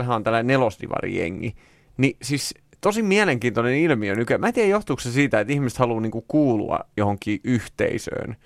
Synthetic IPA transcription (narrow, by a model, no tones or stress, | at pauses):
ɦæont̪ælːænelost̪ḭʋɑ̰rḭjḛŋːi | nisis | t̪osimiæleŋkiːnt̪onenilmionykyæmæːt̪iæjoht̪uksesiːt̪æet̪ihmist̪hɑluːniːŋkukuːlṵɑ̰johoŋkˑiːʔyht̪ḛisø̰ːn